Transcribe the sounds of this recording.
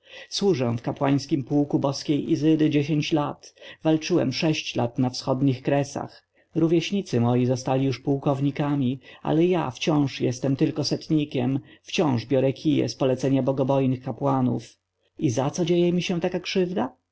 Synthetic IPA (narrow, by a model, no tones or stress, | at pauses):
swuʐɛ̃fkapwaj̃skʲimpuwkubɔskʲejʔizɘd̪ɘd͡ʑeɕeɲt͡ɕlat̪valt͡ʂɘwɛ̰mʂɛɕt͡ɕla̰t̪nafsxɔd̪ɲixkɾɛsa̰x | ɾuvʲjɛɕɲit̪sɘmɔjizɔst̪alʲijuʂpuwkɔvɲikamʲiʔa̰lɛja̰ft͡ɕɔ̃w̃ʂjɛst̪ɛmt̪ɘlkɔsɛt̪ɲikʲɛmft͡ɕɔ̃w̃ʐbʲjɔɾɛkʲʰijɛ̰spɔlɛt̪sɛɲabɔɡɔbɔjnɘxkapwanṵf | izat̪sɔd͡ʑejɛmʲiɕɛ̃t̪akakʂɘvd̪a